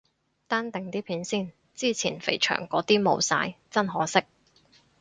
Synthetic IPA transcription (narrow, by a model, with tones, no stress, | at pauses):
t̪aː˥nt̪ɪ˨ŋt̪iː˥pʰiː˨˥nsiː˥˩n | t͡siː˥t͡sʰiː˨˩nfḛ˨˩jt͡ʃʰœ̰ː˨˩ŋkɔː˨˥t̪iː˥mo˨˧wsa̰ː˧jt͡sɐ˥nɦɔː˨˥sɪ˥k̚